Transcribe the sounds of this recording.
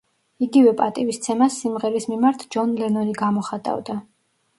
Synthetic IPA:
iɡivɛpʼat̪ʼivist̪sʰɛmasːimʁɛɾismimaɾt̪ʰd͡ʒɔnlɛnɔniɡamɔχat̪ʼa̰vd̪a

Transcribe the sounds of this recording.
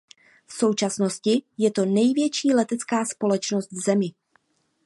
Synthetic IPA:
fso̞wt͡ʃasno̞scɪjɛt̪o̞nɛjvjɛt͡ʃiːlɛt̪ɛt͡skaːspo̞lɛt͡ʃno̞st̪vzɛmɪ

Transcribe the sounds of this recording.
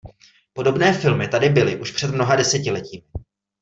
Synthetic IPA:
po̞do̞bnɛːfɪlmɪt̪adɪbɪlɪʔuʃpr̥ɛdmno̞ɦadɛsɛcɪlɛciːmɪ

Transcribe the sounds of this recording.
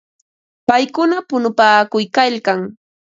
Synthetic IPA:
pajkʊnapʊnʊpaːkʊjkaʎkaŋ

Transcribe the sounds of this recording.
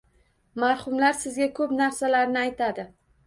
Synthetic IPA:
maɾhʊmlaɾsɪzɡʲakʰɵpnaɾsalaɾnɪajt̪ʰad̪ɪ

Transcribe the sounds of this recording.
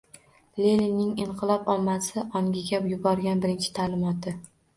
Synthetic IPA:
lelinɪŋɪɴqʰɨlˠɒpɒmːasɪʔɒŋɡʲɪɡʲabjʊbɒɾɡʲanbɪɾɪnt͡ʃʰɪ̥t̪ʰaːlɪmɒt̪ʰːɪ

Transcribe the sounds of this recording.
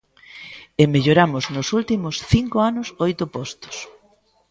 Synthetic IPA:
emeʎoɾamʊznʊsult̪imʊsθiŋkoanʊsɔjt̪ʊpɔst̪ʊ̥s

